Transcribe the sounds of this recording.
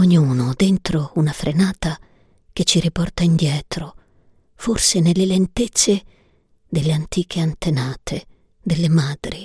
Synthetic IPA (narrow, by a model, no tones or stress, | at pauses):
oɲːuːnod̪ent̪ɾounafɾʔenaːt̪a | k̟et͡ʃːiɾipɔrt̪aind̪jɛːt̪ɾo | forsenelːelent̪et̪sːe | d̪elːeant̪iːkʰeant̪enaːt̪ʰe | d̪elːemad̪ɾi